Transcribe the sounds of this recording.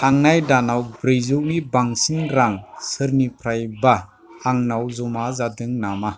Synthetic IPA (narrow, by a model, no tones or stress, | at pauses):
aŋnajdanawbɾejzɔknibaŋsiŋɾaŋsɯɾnipʰɾajbaː | ŋnawzɔmazadɯŋnama